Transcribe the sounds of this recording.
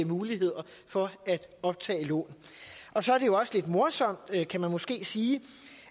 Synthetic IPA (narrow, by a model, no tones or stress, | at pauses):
əmuːliɦe̝ð̰ˠɐfɒ̽æd̥ɒ̽b̥̚t͡sʰɛ̰ːɪlɔ̰ːnʔɒ̽sɒ̽æɐɾe̝jo̝ɒ̽səle̝d̥mo̝ɐsɒ̽m̰d̥kʰæmænmɒ̽sɡ̥e̝̰ːsiː